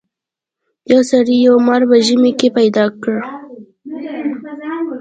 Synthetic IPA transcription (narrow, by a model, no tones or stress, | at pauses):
jawsaɾijawmaɾbaʒəmekepajd̪ɑkɽ